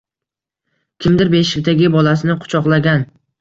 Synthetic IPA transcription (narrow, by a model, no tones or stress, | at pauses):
kʲʰɪmd̪ɪɾbeʃɪkʲd̪aɡʲɪbɒlasɪnɪqʰʊ̥t͡ʃʰɒqlˠaɡʲan